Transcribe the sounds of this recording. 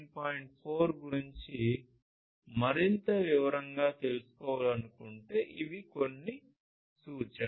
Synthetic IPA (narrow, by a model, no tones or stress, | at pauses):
paːjiɳʈ̚pʰoːɾɡuɾiɲt͡ʃi | mɐɾint̪ɐʋiʋɐɾɐŋɡaːt̪e̞lusu̥kɔːʋaːlɐnukuɳʈe̞ːʔiʋiko̞nːi | suːt͡ʃɐ